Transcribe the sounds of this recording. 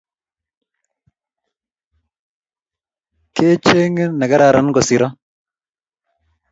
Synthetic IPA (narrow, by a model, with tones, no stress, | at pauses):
ke˦t͡ʃe˦ŋ˦na˨ɡa˦ɾa˨ɾa˨˦nɡɔ˨si˨ɾɔ˦